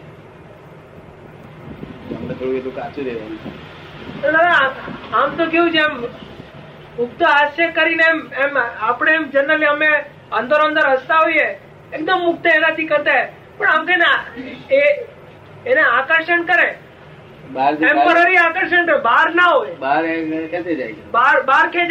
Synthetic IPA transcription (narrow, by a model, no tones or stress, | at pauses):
ə̰mnet̪ʰoɽũet̪ukat͡ʃuɾeʋa̰n | t̪onanaamt̪okeũt͡ʃʰem | ʊk̚t̪əaʃəkəɾineememapɽ̃eːmd͡ʒənːəliəme | ənd̪əɾə̃nd̪əɾɦəst̪aɦoje | ek̚d̪əmːʊk̚t̪əenat̪ʰikəɾt̪aɦe | pəɳamt̪inaeː | neakəɾʃənkəɾe | baɾempəɾaɾiakəɾʃəɳkəɾbaɾnaɦojbaɾkʰet̪ed͡ʒa̰jt͡ʃʰebaɾbaɾkʰed͡ʒ